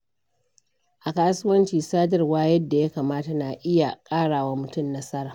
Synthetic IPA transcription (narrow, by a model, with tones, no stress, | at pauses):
ʔa˨kaː˦sʊ˦wɐ˦nt͡ʃiː˨saː˦d͡ʒɐ˨rwaː˦jɐ˦dːa˨ja˦kaː˨maː˦ta˨na˨ʔɪ˦ja˨kʼaː˦ɽaː˨wa˦mʊ˨tʊ˦mnɐ˦sɐ˦ɾaː˨